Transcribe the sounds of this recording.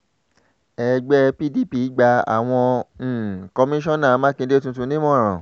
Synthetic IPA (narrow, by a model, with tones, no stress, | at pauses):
ɛ˧˨ɡ͡bɛ˦pi˦di˦˨pi˨˦ɡ͡ba˧a̰˨w̃ɔ̃˧ñ̩˨kɔ˧mĩ˦ʃ̬ɔ̃˦nã˦˨˦mã˦kĩ˧˦de˦tũ˧t̬ũ˧˦nĩ˦mɔ̃˦˨ɾ̃ã˨